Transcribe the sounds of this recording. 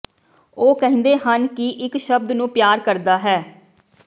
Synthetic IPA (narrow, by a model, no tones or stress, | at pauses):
oːkəɦɪ̃nd̪eːɦənkɪʔɪkʃəb̚d̪nũːpjaːɾkəɾd̪aːɦɛː